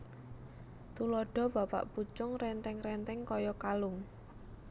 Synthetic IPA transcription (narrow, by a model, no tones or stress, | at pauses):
t̪ulɔɖ̥ɔ̤b̥a̤pa̰ʔput͡ʃʊŋrɛnt̪ɛŋɾɛnt̪ɛŋkɔjɔkalʊŋ